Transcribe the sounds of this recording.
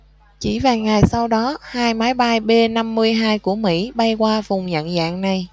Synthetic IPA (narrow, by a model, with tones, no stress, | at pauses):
t͡ɕi˧˩vaː˨˩ŋa˨˩jsa˧wɗɔ˨˦haː˧jmaː˨˦jɓa˧jɓe˧na˧mːɨ˧əjɦaː˧jku˧˩əmḭ˧˥ɓa˧jkwaː˧vʊ˨˩ŋ͡mɲə̰˧˨nza̰ː˧˨ŋna˨˩j